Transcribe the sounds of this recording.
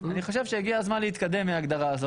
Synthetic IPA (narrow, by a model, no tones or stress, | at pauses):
aniχo̞ʃevʃejeɡiazmanleit̪kad̪e̞mːeaɡd̪aʁaːzo